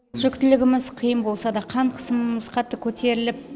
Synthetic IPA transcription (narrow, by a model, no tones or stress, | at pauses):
ʒʏkt̪ɪlɪɡʲɪmɪzqʰəjəmbo̞lˠsɑd̪ɑqʰɑɴqʰə̥səmmʊzqʰɑt̪ːəkʲʰɵt̪ʰe̞ɾɪlɪp̚